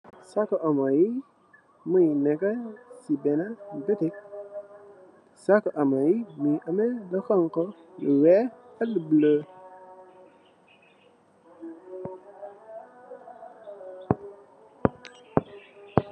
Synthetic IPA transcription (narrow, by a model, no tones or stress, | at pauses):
sakəʔamaji | muinekəsibenadətik̚ | sakəʔamajimiʔameləxaŋkə | wɛ | aləblə